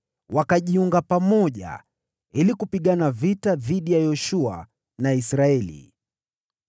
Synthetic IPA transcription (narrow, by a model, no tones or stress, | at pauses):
wakaʄiuŋɡapamɔʄa̰ | ilikupiɠanavitaðiɗijajɔʃua̰ | naisɾaɛlḭ